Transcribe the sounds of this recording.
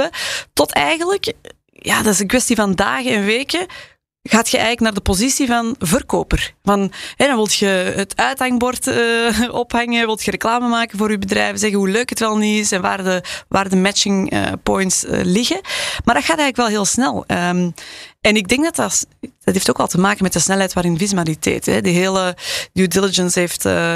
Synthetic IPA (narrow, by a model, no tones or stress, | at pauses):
ətɔtʰɛjɣənlək | jaːdɑtɪsənkʋɛstivɑndaːɣənɛnʋeːkə | ɣaːtxəɛ̰jɣələknaːrdəpozisivɑnvərkoːpərvɑnɦɛdɑnʋɪlˠtxəətʰœɥthaŋbɔrtəɔphɑŋəʋɪlˠtxəɾəklaːməmaːkənvoːɾybədrɛ̰jvəzɛɣəɦuløːkɦətʋɛlˠnyɪsɛnʋa̰ːrdəʋaːrdəmɛt͡ʃɪŋə̰pɔjntsə̰lɪɣəmaːrdɑtxaːtɛjɣələkʋɛlˠɦeːlˠsnɛlˠəmɛnɪɡ̚dɛŋɡ̚dɑtɑsd̥ɑtɦeːftoːkɑlˠtəmaːkənmɛt̚dəsnɛlˠɦɛjtʋaːɾɪnvizyalitɛ̰ːtɦɛ̰dəɦeːlənuːdɪlɪd͡ʒənsɦeːftə